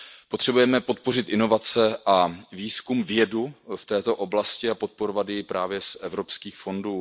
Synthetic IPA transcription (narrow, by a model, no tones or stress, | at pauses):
pot̪r̥ɛbujɛmɛpo̞t̪po̞r̝ɪt̪ʔɪno̞vat͡sɛʔaviːskumvjɛduft̪ɛːt̪o̞ʔo̞blascɪapo̞t̪̚po̞ɾovad̪jɪpɾaːvjɛsʔɛvɾo̞pskiːxfo̞nduː